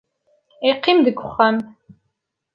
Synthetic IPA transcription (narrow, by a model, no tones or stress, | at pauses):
eqʰimd̪ɨkʷʰʼʊχɐm